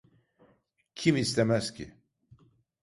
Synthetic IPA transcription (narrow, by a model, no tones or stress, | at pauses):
cʰimist̪ʰemæscʰḭ